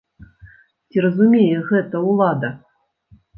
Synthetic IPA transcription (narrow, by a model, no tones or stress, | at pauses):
tʲirəzumʲejɛɣɛt̪ɐulˠɑd̪ɐ